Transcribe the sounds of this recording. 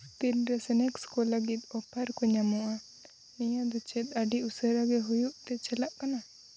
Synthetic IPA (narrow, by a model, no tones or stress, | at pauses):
t̪ilɾɛsɛnɛkskɔləɡit̪ɔpʰəɾkɔɲamuʔa | nɛjãd̪ɔt͡ʃɛt̪̚aɖiusəɾaɡɛɦujuʔt̪ɛt͡ʃəlaʔkana